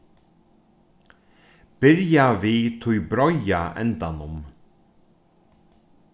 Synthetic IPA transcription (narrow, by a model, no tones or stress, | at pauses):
b̥ɪɾjavit̪ʰʊjbɾɔjaʔɛ̰nt̪anʊm